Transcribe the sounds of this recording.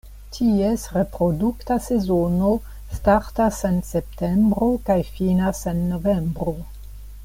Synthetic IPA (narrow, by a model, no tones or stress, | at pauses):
tʰiesɾe̞pɾoduktase̞zono | staɾtasensep̚tembɾokajfinasenːovembɾo